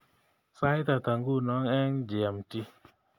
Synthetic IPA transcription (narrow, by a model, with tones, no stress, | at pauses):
sa˦jta˨ta˨ŋɡu˦˨nɔ˨˦ŋɛ˦ŋd͡ʒi˨a˨mti˦